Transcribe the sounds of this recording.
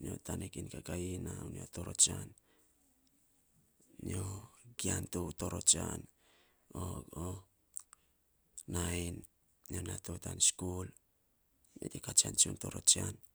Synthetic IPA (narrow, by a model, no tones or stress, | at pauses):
nio̞̰tanekinkakainaunioto̞ɾo̞t͡ʃan | nioɡiantoto̞ɾo̞t͡ʃan | oo | najn | ionatotanskul | metekat͡ʃant͡ʃunto̞ɾo̞t͡ʃian